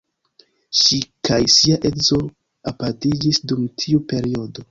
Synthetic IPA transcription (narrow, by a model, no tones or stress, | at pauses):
ʃikʰajsiaʔekzo̞ | apatid͡ʒisdumtʰiupe̞ɾio̞do̞